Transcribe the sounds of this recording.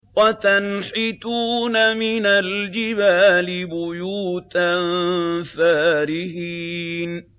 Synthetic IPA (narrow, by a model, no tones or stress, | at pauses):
wat̪anħɪt̪uːnamɪnald͡ʒɪbaːlɪbʊjuːt̪anfaːɾɪhin